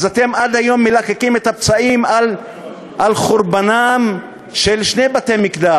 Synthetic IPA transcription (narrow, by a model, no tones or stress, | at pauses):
zat̪e̞mad̪ajo̞mːelakekimet̪ap̚t͡saimal | ʔalχuɾbanam | ʃelʃne̞jbat̪e̞jmikd̪a